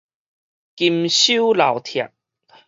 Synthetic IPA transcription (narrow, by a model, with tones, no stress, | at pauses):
ki˧mɕu˦la˨˩wt̪ʰja̰˨˩k̚